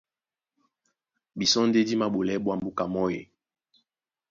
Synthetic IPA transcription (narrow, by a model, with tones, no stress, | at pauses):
bi˨sɔ˦n̩˦de˦di˦ma˨ɓo˨lɛ˦ɓwa˦mbu˦ka˨mɔ˦je˨